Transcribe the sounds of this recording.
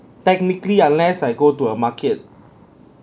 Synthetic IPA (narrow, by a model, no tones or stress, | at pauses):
tɛk̚nikliãnlɛsajɡotuəmakʰet̚